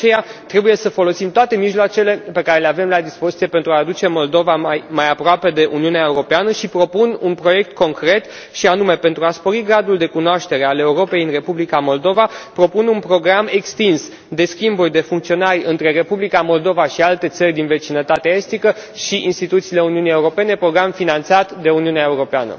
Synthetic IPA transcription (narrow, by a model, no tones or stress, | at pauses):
t͡ʃe̞jat̪ɾe̞buje̞səfo̞lo̞simt̪oat̪e̞miʒloat͡ʃe̞le̞pe̞kaɾe̞leave̞mlad̪ispo̞zit̪sijepe̞nt̪ɾuaːd̪ut͡ʃe̞mo̞ld̪o̞vaajmajapɾoape̞d̪e̞ʔṵniuneaeuɾo̞peanəʃipɾo̞pununpɾo̞je̞k̚t̪ko̞ŋkɾe̞t̪ | ʃianume̞pe̞nt̪ɾuaspo̞ɾiɡɾad̪uld̪e̞kunoaʃt̪e̞ɾe̞ale̞uɾo̞pe̞jɨnre̞publikamo̞ld̪o̞vapɾo̞pununpɾo̞ɡɾame̞kst̪ins | d̪e̞skʲimburʲd̪e̞fuŋkt̪sio̞narʲɨnt̪ɾe̞ɾe̞publikamo̞ld̪o̞vaʃialt̪e̞t̪sərʲd̪inve̞t͡ʃinət̪at̪eae̞st̪ikəʃiʔinst̪it̪ut̪siːle̞uniunije̞uɾo̞pe̞ne̞pɾo̞ɡɾamfinant̪sat̪d̪e̞uniuneae̞uɾo̞peanə̰